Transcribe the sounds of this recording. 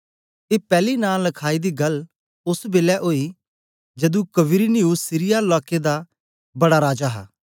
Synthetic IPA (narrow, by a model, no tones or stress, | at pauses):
t̪eːpɛːlinaːlɐkʰaːid̪iɡɐl | ʊsbeːlɛʔoːi | d͡ʒɐd̪ũkɐʋɪɾiniusɪɾɪjalɔːked̪a | bɐɽaɾaːd͡ʒaɦaː